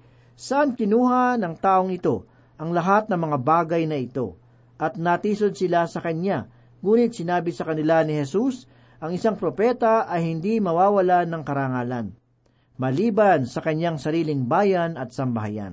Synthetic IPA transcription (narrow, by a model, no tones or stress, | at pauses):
sɐʔankɪnuːɦanɐŋt̪aːʔoŋɪt̪o̞ | ʔɐŋlɐɦat̪̚nɐŋmɐŋabaːɡɐjnɐɪt̪o̞̰ | ʔɐt̪̚nɐt̪iːsod̪̚sɪlasɐkɐɲa | ŋuːnɪt̪̚sɪnaːbɪsɐkɐnɪlanɪhɛsus | ʔɐŋɪsaŋpɾo̞pɛt̪ɐʔɐjhɪnd̪imɐwaːwɐlanɐŋkɐɾaŋaːlɐn | mɐliːbɐnsɐkɐɲaŋsɐɾiːlɪŋbaːjɐnɐt̪sɐmbɐɦa̰ja̰n